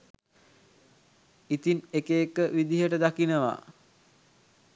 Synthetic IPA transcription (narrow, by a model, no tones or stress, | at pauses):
it̪inekeːkəʋid̪iɦəʈəd̪akinəʋa̰